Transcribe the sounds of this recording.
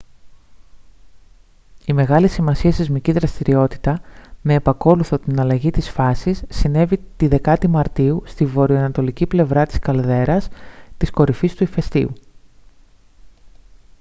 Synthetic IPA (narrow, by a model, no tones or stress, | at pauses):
ime̞ɣɐlisimɐsiɐst̪izmiciðɾɐst̪iɾio̞t̪i̥t̪ɐme̞ːpɐko̞luθo̞t̪inɐlɐʝit̪isfɐsisːine̞vit̪iðe̞kɐt̪imɐɾt̪iust̪ivo̞ɾioɐnɐt̪o̞liciple̞vɾɐt̪i̥skɐlðe̞ɾɐst̪isko̞ɾifist̪uife̞st̪ḭu